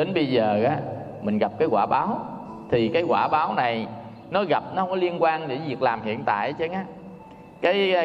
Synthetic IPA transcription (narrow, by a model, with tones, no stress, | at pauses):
ɗe˨˦nɓə˧jzəː˨˩ʔaː˨˦ | mï˨˩ŋ̟ɣa˨˩p̚kaː˨˦jkwaː˧˩ɓaː˨˦w | t̪ʰi˨˩kaː˨˦jɣwa̰ː˧˩ɓaː˨˦wna˨˩j | nɔ˨˦ɣa˨˩p̚nɔ˨˦hə˧wŋ͡mkɔ˨˦li˧ənkwaː˧nɗe˧˩zvi˨˩ək̚laː˨˩mhḭ˧˨ənt̪a̰ː˧˨jt͡ɕə˧˦ŋaː˨˦ | kaː˨˦j